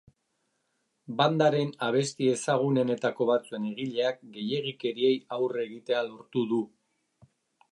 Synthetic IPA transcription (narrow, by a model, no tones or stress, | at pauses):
band̪aɾe̞naβ̞e̞st̪ie̞saɣ̞une̞ne̞t̪ako̞β̞at͡sue̞ne̞ɣ̞iʎe̞ak̚ɡe̞je̞ɣ̞ike̞ɾie̞jawre̞ɣit̪e̞alo̞ɾt̪uðu